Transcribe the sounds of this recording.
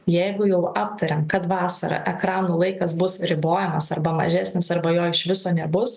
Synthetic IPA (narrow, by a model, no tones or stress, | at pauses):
jɛɪɡʊjɛʊɑːp̚t̪ɐɾʲemkɐt̪ʋɑːsɐ̰ɾɐ̰ʔɛkɾɑːnuːlˠɐɪkɐsbʊsɾʲɪboːjɛmɐsɐɾbɐmɐ̰ʒʲæːsʲnʲɪsɐɾbɐjoːɪʃʋʲɪsoːnʲɛbʊs